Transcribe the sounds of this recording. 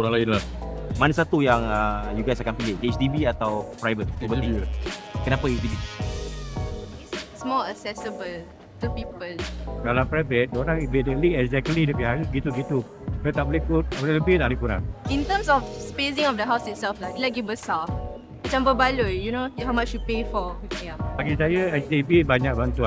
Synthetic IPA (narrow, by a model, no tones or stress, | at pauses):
oɾãŋlainlahmanəsat̪ujaŋajuɡajsakanpileet͡ʃdibiat̪awpɾajvət̪̚ːubəi | kənapaet͡ʃdibi | ssmɔlasɛsəbəl | t̪upipəldalapɾajvət̪̚doɾãŋivɛntə̃tliɛɡzɛk̚tlidəbihajɡit̪uɡit̪u | sɛt̪aʔ̚bolikut̚olɛləpit̪aʔblikuna̰nĩnt̪əmsɔfspezĩŋɔfdəɦawsitsɛlflak̚ulɛɡivbəsa | ət͡ʃãmbəbalujunohawmat͡ʃjupefɔjabaɡisajəɛsdibibaɲak̚bant̪ua